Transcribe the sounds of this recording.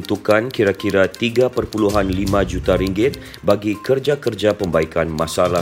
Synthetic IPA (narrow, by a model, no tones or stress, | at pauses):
nt̪ukankiɾakiɾat̪iɡapərpuluɦanlimãd͡ʒut̪aɾiŋɡɪt̪̚ | baɡikərd͡ʒakərd͡ʒapəmbaikanmasala